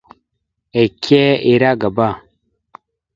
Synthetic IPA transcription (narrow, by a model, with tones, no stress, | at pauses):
e˨kʲe˦e˦˨ɾa˦ɡa˨ba˦˨